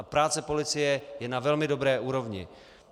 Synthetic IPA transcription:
pɾaːt͡sɛpo̞lɪt͡sɪjɛjɛnavɛlmɪdo̞bɾɛːʔuːɾo̞vɲɪ̰

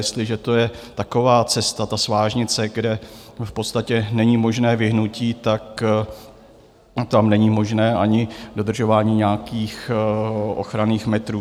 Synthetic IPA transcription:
jɛst̪lɪʒɛt̪o̞jɛt̪ako̞vaːt͡sɛst̪at̪asvaːʒɲɪt͡sɛɡdɛfpo̞t̪st̪acɛnɛɲimo̞ʒnɛːvɪɦnuciːt̪ak | t̪amnɛɲimo̞ʒnɛːʔaɲɪdo̞d̪r̩ʒo̞vaːɲiːɲaːkiːx | ʔo̞̰xɾaniːxmɛt̪ɾuː

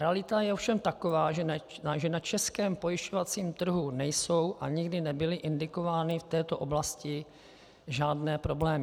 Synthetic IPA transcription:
ɾɛalɪt̪ajɛofʃɛmt̪ako̞vaːʒɛaʒɛnat͡ʃɛskɛːmpo̞jɪʃcovat͡siːmt̪r̩ɦunɛjso̞wʔaɲɪɡdɪnɛbɪlɪʔɪndɪko̞vaːnɪft̪ɛːt̪o̞ʔo̞blascɪ | ʒaːdnɛːpɾo̞blɛːmɪ

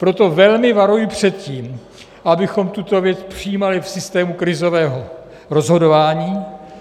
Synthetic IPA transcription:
pɾo̞t̪ovɛlmɪvaɾujɪpr̥ɛt̪ciːm | ʔabɪxo̞mt̪ut̪o̞vjɛt͡spr̥ɪjiːmalɪfsɪst̪ɛːmukɾɪzo̞vɛːɦo̞ | ɾo̞zɦo̞dovaːɲiː

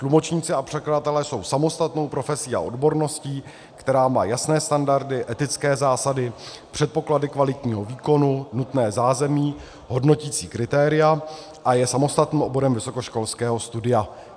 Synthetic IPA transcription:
t̪lumo̞t͡ʃɲiːt͡sɪapr̝̥ɛkladat̪ɛlɛːso̞wsamo̞st̪at̪no̞wpɾo̞fɛsiːa̰ʔo̞̰dbo̞ɾno̞sciː | kt̪ɛɾaːma̰ːjasnɛːst̪andaɾdɪʔɛt̪ɪt͡skɛːzaːsadɪ | pr̝̥ɛt̪̚po̞kladɪkvalɪc̪ɲiːɦo̞viːko̞nunut̪nɛːzaːzɛmiː | ɦo̞dno̞ciːt͡siːkɾɪt̪ɛːɾɪja | ʔajɛsamo̞st̪at̪niːmo̞bo̞ɾɛmvɪso̞ko̞ʃko̞lskɛːɦo̞st̪udɪja

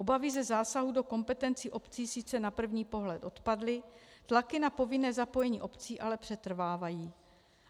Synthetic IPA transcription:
ʔo̞bavɪzɛzaːsaɦudo̞ko̞mpɛt̪ɛnt͡siːʔo̞pt͡siːsɪt͡sɛnapr̩vɲiːpo̞ɦlɛt̪ʔo̞t̪padlɪt̪lakɪnapo̞vɪnɛːzapo̞jɛɲiːʔo̞pt͡siːʔalɛpr̝̥ɛt̪r̩vaːvajiː

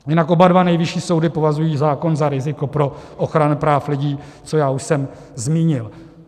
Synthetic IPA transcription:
jɪnakʔo̞badvanɛjvɪʃiːso̞wdɪpo̞vazujiːzaːko̞nzaɾɪzɪko̞pɾo̞ʔoxɾanʊpɾaːflɪɟiː | t͡so̞jaːuʃsɛm | zmiːɲɪl

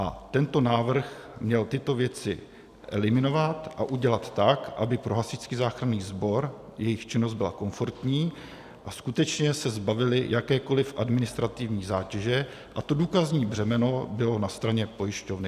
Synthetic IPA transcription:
ʔa̰t̪ɛnt̪o̞naːvr̩xmɲɛlt̪ɪt̪o̞vjɛt͡sɪ̰ | ʔɛ̰lɪmɪno̞vat̪ʔa̰ʔuɟɛlat̪ːakʔabɪpɾo̞ɦasɪt͡skiːzaːxɾaniːzbo̞ɾjɛjɪxt͡ʃɪnozd̪bɪla̰ko̞ɱfo̞ɾt̪ɲiː | ʔaskut̪ɛt͡ʃɲɛsɛzbavɪlɪjʔakɛːko̞lɪfʔadmɪnɪst̪ɾat̪ɪvɲiːzaːcɛʒɛ | ʔat̪o̞duːkazɲiːbr̝ɛmɛno̞bɪlo̞nast̪ɾaɲɛpo̞jɪʃco̞vnɪ

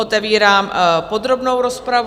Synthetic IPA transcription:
ot̪ɛviːɾaːmpo̞d̪ɾo̞bno̞wɾospɾav

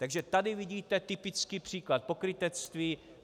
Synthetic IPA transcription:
t̪aɡʒɛt̪adɪvɪɟiːt̪ɛt̪ɪpɪt͡skiːpr̝̥iːklat̪̚po̞kɾɪt̪ɛt͡st̪viː

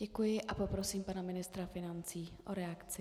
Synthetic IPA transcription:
ɟɛkujɪʔʔapo̞pɾo̞siːmpanamɪnɪst̪ɾafɪnant͡siːʔo̞ɾɛakt͡sɪ

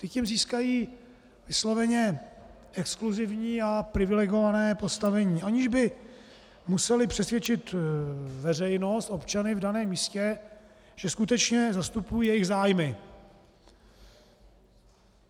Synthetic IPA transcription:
t̪ɪcimziːskajiː | vɪslo̞vɛɲɛ | ʔɛkskluzɪvɲiːapɾɪvɪlɛɡo̞vanɛːpo̞st̪avɛɲiːʔaɲɪʒbɪ | musɛlɪpr̝̥ɛsvjɛt͡ʃɪt̪ | vɛrɛjno̞st̪ʔo̞pt͡ʃanɪvdanɛːmːiːscɛ | ʒ̥ɛskut̪ɛt͡ʃɲɛzast̪upujiːjɛjɪɣzaːjmɪ

